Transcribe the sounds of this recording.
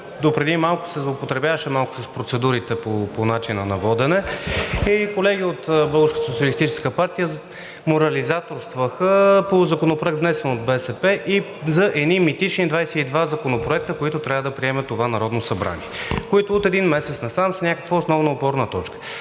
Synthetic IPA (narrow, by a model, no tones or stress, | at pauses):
d̪opɾɛd̪imalˠkʊ̥sɛzlˠopot̪ɾɛbʲjavɐʃɛmalˠkʊ̥sɐspɾot̪sɛd̪uɾit̪ɛpoponat͡ʃinənɐvɔd̪ɛnɛikolɛɡʲiot̪bɤɡʊʃkət̪sot̪siəlist̪it͡ʃɛ̥skəpaɾt̪ijə | moɾɐlizat̪oɾst̪vəxəpozɐkonopɾoɛkt̪nɛsɛnod̪̚bɛsɛpɛʔi | zɐʔɛd̪nimit̪it͡ʃnid̪vajsɛid̪vazɐkonopɾoɛk̚t̪əkoit̪ʊt̪ɾʲavəd̪ɐpɾiɛmɛt̪ovanɐɾɔd̪nosɐbɾa̰nʲḭɛkoit̪ʊot̪ɛd̪inmɛsɛt̪snɐsamsɐnʲakəkvəosnɔvnɐopɔɾnət̪ɔt͡ʃkə̥